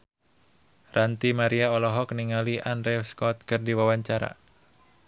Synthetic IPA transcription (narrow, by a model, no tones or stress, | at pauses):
rant̪imaɾiaɔlɔɦɔkniŋaliʔandɾɛfskɔt̪̚kɨrdiwawaɲt͡ʃaɾa̰